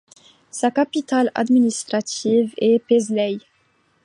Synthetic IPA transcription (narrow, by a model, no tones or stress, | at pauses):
sakapit̪ala̰d̪minist̪χat̪ivɛpezlɛj